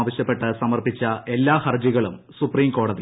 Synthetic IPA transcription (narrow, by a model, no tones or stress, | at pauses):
ʋɐɕjɐpːe̞ʈːɨsɐmɐrpit͡ɕːɐʔe̞lːaːhɐrd͡ʑiɣɐɭum | supriːmko̞ːɽɐði